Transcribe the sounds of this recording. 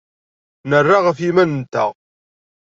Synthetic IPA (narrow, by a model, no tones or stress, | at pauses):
nərːaʁəfimænənt̪ːə̰ʁ